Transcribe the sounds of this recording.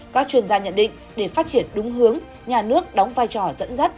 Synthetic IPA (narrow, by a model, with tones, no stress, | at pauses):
kaː˦˥k̚t͡ɕwi˧˩ənzaː˧ɲə̰˧˨nɗḭ˧˨ŋ̟ | ɗe˧˩faː˦˥t̚t͡ɕi˧˩ənɗʊ˨˦ŋ͡mɦɨ˨˦əŋ | ɲaː˨˩nɨ˦˥ək̚ɗɔ˨˦wŋ͡mvaː˧jt͡ɕɔ˧˩zə̰˧˥nzə˦˥t̚